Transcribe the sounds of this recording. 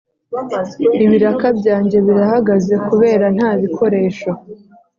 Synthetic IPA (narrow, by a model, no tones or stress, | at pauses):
iβiɾakabɟaːɲɟe̞βiɾahaɡaze̞kuβe̞ːɾan̥haːβikʰo̞ɾe̞ːʃo